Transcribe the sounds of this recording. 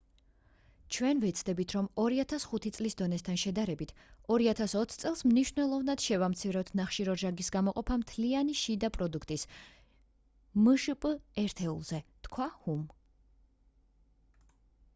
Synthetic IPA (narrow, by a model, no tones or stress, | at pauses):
t͡ʃʰwɛnvɛt̪sʰd̪ɛbit̪ʰɾɔmɔɾiat̪ʰasχut̪ʰit̪sʼlisd̪ɔnɛst̪ʰanʃɛd̪aɾɛbit̪ʰɔɾiat̪ʰasɔt̪ʰt̪sʼɛlˠsmniʃvnɛlˠɔvnad̪̥ʃɛvamt̪sʰivɾɔt̪ʰnaχʃiɾɔɾʒaɡisɡamɔqʼɔpʰamt̪ʰlianiʃid̪apʼɾɔd̪ukʰt̪ʼis | mɨʃpʼɛɾt̪ʰɛṵlˠzɛt̪kʰwahum